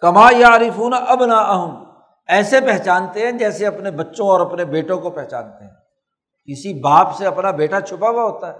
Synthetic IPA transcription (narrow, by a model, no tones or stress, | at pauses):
kɐmaːjaʕɾɪfuːnʔɐbnaːʔəɦʊm | ɛːsepɛɦt͡ʃaːnt̪eɦɛ̃d͡ʒɛːseɐpnebɐtːʃõɔːɾɐpnebeːʈõkopɛɦt͡ʃa̰ːnt̪eɦɛ̃ː | kɪsibaːpseɐpnabeːʈat͡ʃʰʊpabaɦoːt̪aɦɛː